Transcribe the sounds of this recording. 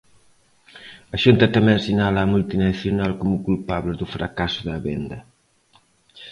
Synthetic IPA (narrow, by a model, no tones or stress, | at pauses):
ɐʃunt̪ɐt̪amɛ̃j̃sinalaːmult̪inaθjonalkomukulpaβleðufɾakasuðɐβend̪ɐ